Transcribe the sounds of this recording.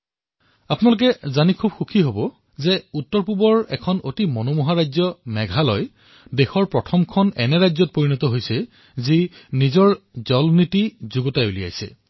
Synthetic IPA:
apunalʊk̬ɛzanikʰubxukʰiɦobɔ | zɛutːɔɹpubɔɹɛ̰kʰɔnotimɔnomuɦaɹajzɔmɛɡʱalɔj | dexɔɹpɹɔtʰɔmkʰɔnɛnɛɹajzɔt̚poɹinɔtɔɦojsɛ | zinizɔɹzɔlnitizuɡɔtajulia̰jsɛ̰

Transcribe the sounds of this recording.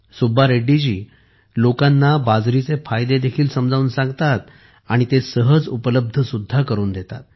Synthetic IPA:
subaɾeɖid͡ʑiː | lokanːabad͡zɾit͡sefajd̪ed̪ekʰiːlsəmd͡zauːnsãŋɡt̪at̪̚ | aɽ̃it̪esəɦəd͡zupələb̚d̪ʱəsud̪ʱːakəɾuːnd̪et̪a̰t̪̚

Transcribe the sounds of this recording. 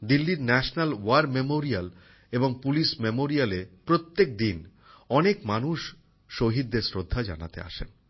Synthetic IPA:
d̪ilːiɾnɛʃnalwaɾmemoɾial | eboŋpuliʃmemoɾialepɾot̪ːek̚d̪in | ɔnekmanuʃː | oɦid̪ːeɾsɾod̪ʱːad͡ʑa̰na̰t̪ḛa̰ʃen

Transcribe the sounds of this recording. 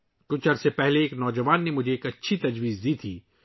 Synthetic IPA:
kʊt͡ʃʰɐɾsepɛɦleeːknɔːd͡ʒɐʋaːnːemʊd͡ʒʱeeːkɐtːʃʰit̪ɐd͡ʒʋiːzd̪iːt̪ʰiː

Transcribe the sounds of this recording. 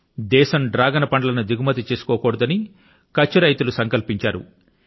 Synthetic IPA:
d̪ɛːʃɐmɖɾaːɡɐnɐpɐɳɖɐlɐnud̪iɡumɐt̪̬it͡ʃeːsu̥kɔːkɔːɽɐd̪ɐni | kɐt͡ʃːɐɾɐjit̪ulusɐŋkɐlpiɲt͡ʃaːɾṵ

